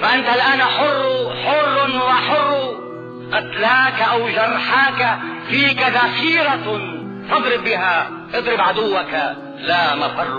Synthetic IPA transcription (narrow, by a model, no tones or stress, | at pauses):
faʔant̪alʔaːnħʊrːħʊrˤːnwaħʊrˤːu | ʔat̪laːkaʔawʒɑrˤːħaːkafiːkaðaxiːɾa | t̪ɑd̪ˤɾɪbːɪɦa | ʔɨd̪ˤɾɪbʕad̪ʊwːaka | lamafɑrˤ